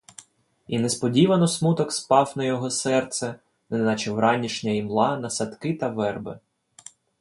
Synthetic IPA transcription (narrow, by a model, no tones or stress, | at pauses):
inespɔdʲiʋɐnɔsmut̪ɔkspɑwnɐjɔɦɔsɛrt̪sɛ | nɛnɑt͡ʃɪwɾɑnʲiʃnʲɐimlˠɑnɐsɐt̪kɪt̪ɐʋɛrbɪ